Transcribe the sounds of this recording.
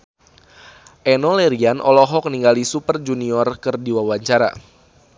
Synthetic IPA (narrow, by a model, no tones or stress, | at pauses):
ʔɛnɔlɛɾianʔɔ̰lɔɦɔk̚niŋɡalisupərd͡ʒuniɔrkɨrdiwawaɲt͡ʃaɾa̰